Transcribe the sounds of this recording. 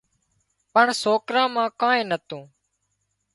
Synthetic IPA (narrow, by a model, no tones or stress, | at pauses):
pəɳsoːkɾãːmãːkãːẽːnət̪õː